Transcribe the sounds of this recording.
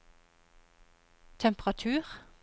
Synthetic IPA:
t̪ʰɛmpʁɑt̪ʰʉːʁ

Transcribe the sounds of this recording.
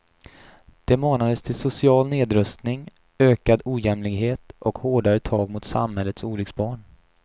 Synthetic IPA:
d̪̥ɛmoːnad̪əst̪ʰɪlsʊsɪɑːlneːd̪ɾɵst̪nɪŋ | øːkad̪uːjɛmlɪɡɦeːt̪ʔɔkhoːɖaɾət̪ʰɑːɡ̚mʊt̪sa̰mɦɛlːət̪suːlʏksbɑːɳ

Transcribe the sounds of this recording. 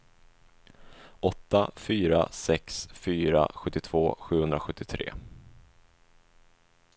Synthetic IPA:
ɔt̪ːafyːɾa̰sɛksfyːɾa̰ɧɵt̪ːɪt̪ʰv̥oːɧʉ̟ːhɵnd̪ɾaɧɵt̪ːɪt̪ʰɾḛː

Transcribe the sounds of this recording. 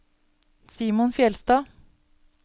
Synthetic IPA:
siːmʊnfjɛlst̪ɑː

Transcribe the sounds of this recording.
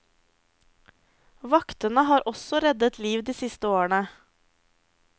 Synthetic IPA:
ʋɑkt̪ənəɦɑːɾʔɔsɔɾɛd̪ət̪liːʋd̪iːsɪst̪əoːəɳə

